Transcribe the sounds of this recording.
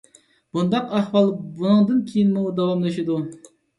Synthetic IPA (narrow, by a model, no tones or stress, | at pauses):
b̥und̪ɑqɑhwɑlˠbunɨŋd̪ɨnkʲʰejinmud̪ɑwɑmlˠɨʃid̪u